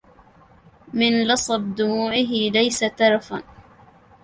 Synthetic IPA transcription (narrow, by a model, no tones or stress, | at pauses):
mɪnlɑsˤɑb̚d̪ʊmuːʕɪɦɪlajsat̪ɑɾˤɑfan